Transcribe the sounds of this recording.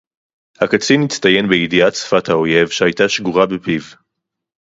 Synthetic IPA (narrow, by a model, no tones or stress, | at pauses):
hakat͡sinit͡st̪aje̞nbeidiatt͡sfathao̞je̞vʃehajtaʃɡuʁabepiv